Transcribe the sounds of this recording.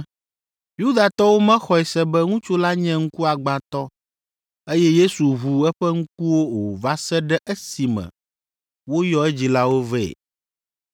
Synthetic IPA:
ju˦d̪a˨t̪ɔ˦wo˦mɛ̃˦xɔ˨ɛ˨sɛ˦bɛ˦ŋũ˦t͡ʃo˦la˦ɲɛ̃˦ŋ̩˦ku˦a˨ɡ͡ba˨t̪ɔ˦ | e˦jɛ˦je˦su˨ɦu˨ɛ˦ɸɛ˦ŋ̩˦k̚u˦wo˦wo˨va˦sɛ˦ɖɛ˦ʔe˦si˨mɛ̰̃˨ | wo˦jɔ˦ɛ˦d͡ʑi˨la˦wo˦vɛ̰˦˨

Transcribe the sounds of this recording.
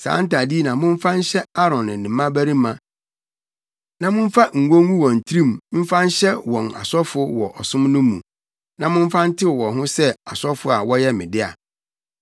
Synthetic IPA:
sã̰ː˨˦n̩˦ta˨di˦˨nã˨mʊ̃˦m̩˦fã˦n̩˦ɕɛ˦a˦ɾɔ̃˨nɪ̃˨nɪ̃˨mã˦bæ˦ɾi˦mã˨ | nã˦mʊ̃˦m̩˦fa˦ŋ̩˨ɡõ˦ŋũ˦wɔ̃˨n̩˨tʰi˦ɾĩ˦mm̩˦fã˦n̩˦ɕɛ˦wɔ̃˨na̰˨sɔ˦fʊ˦wɔ˨ʔɔ˨sʊ̃˦mnʊ̃˦mũ˨ | nã˨mʊ̃˦m̩˦fã˦n̩˦tʰɪ˦˨wɔ˨ɦʊ̃˦sɛ˦a˨sɔ˦fʊ˦a˨wɔ˦jɛ˦mɪ̰̃˨dɪ˦a̰˨

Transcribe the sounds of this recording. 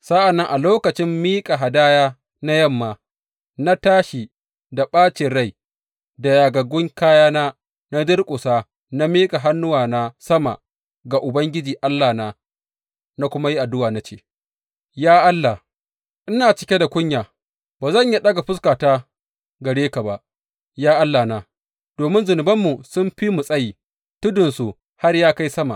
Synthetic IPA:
sa˦ʔa˨nːɐ˦ŋʔa˨loː˦kɐ˨t͡ʃɪ˦mːiː˦kʼa˨ɦa˨daː˦jaː˦ | na˦jɐ˦mːaː˨ | na˦taː˦ʃi˨ | da˨ɓaː˦t͡ʃɪ˨ɽa˦˨j | da˨jaː˨ɡɐ˨ɡʷʊ˦ŋkaː˦jaː˦naː˦ | na˦dɪ˦rkʷʼʊ˨saː˦ | na˦miː˦kʼa˨ɦa˦nːʊ˦waː˨na˦sɐ˦ma̰˨ | ɡa˨ʔʊ˨bɐ˦ŋɡʲɪ˦d͡ʒiː˨ʔa˦lːaː˨na˦ | na˦kʷʊ˦ma˦ji˦ʔa˨dʊ˦waː˨na˦t͡ʃeː˦˨ | jaː˦ʔa˦lːa˨ | ʔɪ˦naː˨t͡ʃɪ˦kʲe˦da˨kʷʊ˦ɲjaː˨ | baː˨zɐ˦˨ɲja˦ɗɐ˦ɡa˨ɸʊ˦s̬kaː˨taː˦ | ɡɐ˨ɽeː˦ka˨ba˨ʔ | jaː˦ʔa˦lːa˨na˨ | d̥oː˨mɪ˦nzʊ˨nɪ˨bɐ˦mːu˨sʊ˦mɸi˦mu˨sʼɐ˦jiː˨ | tʊ˦dʊ˨nsu˨ | ha˦rjaː˦ka˦jsɐ˦ma̰˨

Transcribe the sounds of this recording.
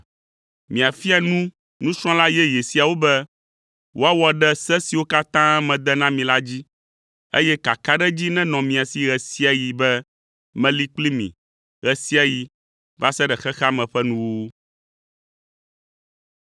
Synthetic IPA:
mĩ˨a˨fi˦a˨nũ˦ | nũ˦sɾ̃ɔ̃˦la˦jɛ˦je˨si˨a˨wo˦bɛ˦ | wʔo˦a˦wɔ˨ɖɛ˦sɛ˦si˨wo˦ka˦t̪ã˦ɛ˦mɛ̃˨d̪ɛ˦nã˦mĩ˨la˦d͡ʑi˦ | ḛ˦jɛ˦ka˨ka˦ɖɛ˦d͡ʑi˦nɛ̃˦nɔ̃˨mĩ˨a˨si˨ɣɛ˨si˦a˨ji˨bɛ˦ | mɛ̃˨li˦k͡pli˦mḭ̃˨ | ɣɛ˨si˦a˨ji˨ | va˦sɛ˦ɖɛ˨xɛ˦xa˦mɛ̃˨ɸɛ˦nũ˦wu˦

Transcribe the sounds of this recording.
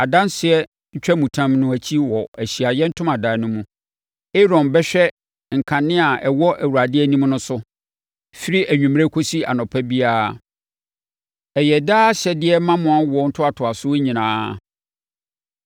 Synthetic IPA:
a˨dã˦nsɪ˨ɛ˦ | ɲ̩˦t͡ɕᶣɛ˦mũ˨tʰã˦mnʊ̃˦æ˨t͡ɕʰi˦wɔ˨æ˨ɕi˨a˨jɛ˦n̩˦tʰʊ̃˦ma˨daː˨nʊ̃˦mũ˦ | e˦ɾɔ̃˨nbɛ˦ɕᶣɛ˦ | ŋ̩˨kʰã˨nɪ̃˦a˨ʔɛ˨wɔ˦ʔæ˨wu˨ɾa˨dɪ˦ɛ˦nĩ˦m̃˦nʊ̃˦sʊ˦ | fi˦ɾi˦ʔæ˨ɲᶣũ˨m˦ɾe˦kʰo˦si˦a̰˨nɔ̃˨pʰɛ˦bi˦aː˦˨ | ɛ˨jɛ˨daː˦ɕɛ˨dɪ˦ɛ˦mã˦mʊ̃˨˦a˦wɔ˦n̩˦tʰʊ˦a˨tʰʊ˨a˨sʊ˦ɲĩ˨nãː˦

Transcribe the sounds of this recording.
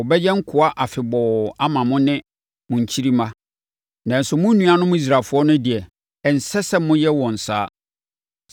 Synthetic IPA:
ɔ˨bɛ˦jɛ˦ŋ̩˦kʰʊ˨a˦ʔa˨fɪ˨bɔ˨a˦mã˨mʊ̃˦nɪ̃˦ | mʊ̃˨ɲ̩˨t͡ɕʰi˦ɾi˦mã˦ | nã˨n̩˨sʊ˦mʊ̃˦nũ˨a˨nʊ̃˦mʊ̃˦i˦s̬ɾaː˨fʊ˨˦ɔ˦nʊ̃˦di˨ɛ˨ | n̩˨sɛ˦sɛ˦mʊ̃˦jɛ˦wɔ̃˨n̩˨saː˦

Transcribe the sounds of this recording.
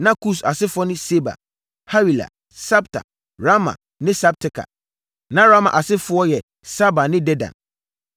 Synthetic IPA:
nã˦ku˦˨sa˨sɪ˦fʊ˦ɔ˦nʊ̃˦se˦ba̰˨ | ha˦wi˨la̰˨ | sɛ˦btʰa̰˨ | ɾa˦mã̰˨ | nɪ̃˦sa˦b̚tʰɪ˨˦kʰa̰˨ | nã˦ɾa˦ma̰˨ʔa˨sɪ˦fʊ˦ɔ˦jɛ˨ | sa˦ba˨nɪ̃˦dɛ˦dã̰˨n

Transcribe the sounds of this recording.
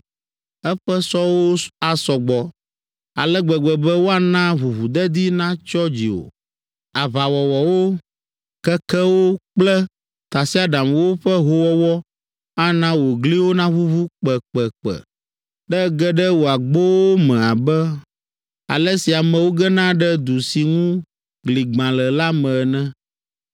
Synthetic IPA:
ɛ˦ɸɛ˦sɔ˦wo˦a˨sɔ˨ɡ͡bɔ˨ | a̰˨lɛ˦ɡ͡bɛ˨ɡ͡bɛ˨bɛ˦wo˦a˨nã˦βu˨βu˨d̪ɛ˦d̪i˦nã˦t͡ʃɔ˦d͡ʑi˨wo̰˨ | a˨βa˨wɔ˨wɔ˨wo˦ | kɛ˦kɛ˦wo˦k͡plɛ˦ | t̪a˨si˦a˦ɖã˨mwo˦ɸɛ˦ɦo˦wɔ˦wɔ˦ | a˦nã˦wo˨ɡli˦wo˦nã˦βu˦βu˦k͡pɛ˨k͡pɛ˨k͡pɛ̰˨ | ɖɛ˦ɡɛ˦ɖɛ˦wo˨a˨ɡ͡bo˦wo˦mɛ̃˨a˨bɛ˦ | a̰˨lɛ˦si˨a˨mɛ̃˨wo˦ɡɛ˦nã˦ɖɛ˦d̪u˨si˨ŋũ˦ | ɡli˨ɡ͡bã˨lɛ˨la˦mɛ̃˨nɛ̃˦

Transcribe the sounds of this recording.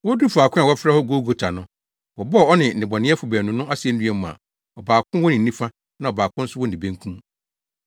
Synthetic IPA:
wɔ˦du˦fu˨a˨kʰʊ̃˦a˨wɔ˦fɛ˦hɔ˦ɡoː˦ɡo˨tʰa˨nʊ̃˦ | wɔ˨bɔ˦˨ɔ˦nɪ̃˨ɪ̃˨bɔ˨nɪ̃˦ɛ˦fʊ˨bæ˨nũ˨˦nʊ̃˦a˦si˨˦ɛ˦n̩˦dĩ˦ɛ˦mʊ̃˨a̰˨ | ɔ˨baː˨kʰʊ̃˦wɔ˦nɪ̃˨nː˦ĩ˦fa˦ | nã˨ɔ˨baː˨kʊ̃˦n̩˦sʊ˦wɔ˦n˨ĩ˨bẽ˦ŋ˦kʰũ˦m

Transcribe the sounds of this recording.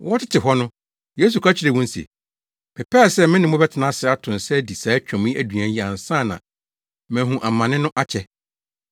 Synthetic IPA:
wɔ˦tʰɪ˦tʰɪ˨ɦɔ˦nʊ̃˦ | je˦s̬u˨kʰa˦t͡ɕʰɪ˨ɾe˨wɔ̃˦n̩˦sḭ˨ | pʰɛ˨pʰɛ˦˨sɛ˦mɪ̃˦nɪ̃˨mʊ̃˦bɛ˦tʰɪ˨nã˦sɪ˨˦a˦tʰʊ̃˨n˨sɛ˦di˨saː˨˦t͡ɕᶣɔ̃˨mĩ˦æ˨du˨ã˨˦ji˨ã˨n̩˨sãː˦˨nã̰˨ | mæ̃˨ɦũ˨ʔa˨mã˨nɪ̃˦nʊ̃˦ʔa˦t͡ɕʰɛ˨

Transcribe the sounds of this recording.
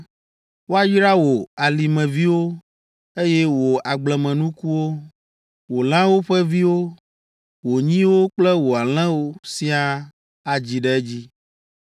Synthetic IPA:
wo˦a˦ji˦ɾa˦wo˨a˨li˨mɛ̃˨vi˦wo˦ | e˦jɛ˦wo˨a˨ɡ͡blɛ˨mɛ̃˨nũ˦ku˦wo˦ | wo˨l̃ã˦wo˦ɸɛ˦vi˦wo˦ | wo˨ɲĩ˦wo˦k͡plɛ˦wo˨a˨l̃ɛ̃˦wo˦si˦a˦ | a˨d͡ʑi˨ɖɛ˦ɛ˦d͡ʑi˦

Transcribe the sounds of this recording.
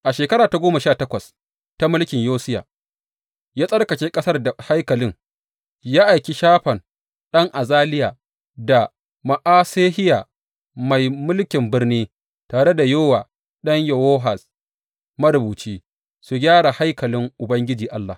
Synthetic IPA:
ʔa˨ʃeː˨kɐ˦ɾaː˨ta˨ɡʷoː˦ma˨ʃaː˦˨tɐ˦kʷɐ˨s | ta˦mʊ˦lkʲɪ˨ɲjoː˦sɪ˦ja̰ː˨ | jaː˦sʼɐ˦rkɐ˨t͡ʃeː˦kʼɐ˦sɐ˦rda˨ha˦jkɐ˨lɪ˦ŋ | jaː˦ʔa˨jkʲi˦ʃaː˦ɸɐ˨n | ɗɐ˦ŋʔa˨zaː˦lɪ˦jaː˨ | da˨ | ma˨ʔaː˦seː˦hɪ˦ja˨ | ma˨jmʊ˦lkʲɪ˨mbɪ˦rniː˦ | taː˨ɽe˦da˨joː˦waː˨ | ɗɐ˦ɲjɐ˨woː˦ɦa˨s | mɐ˦ɾʊ˨buː˨t͡ʃiː˦ | su˨ɡʲaː˦ɽa˨ha˦jkɐ˨lɪ˦ŋʔʊ˨bɐ˦ŋɡʲɪ˦d͡ʒiː˨ʔa˦lːa̰˨

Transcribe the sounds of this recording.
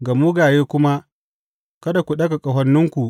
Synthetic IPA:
ɡɐ˨mu˦ɡaː˨jeː˦kʷʊ˦ma˦ | kɐ˦da˨kʷu˨ɗɐ˦ɡa˨kʼɐ˨ɦɐ˦nːʊ˦ŋkʷu˨ʔ

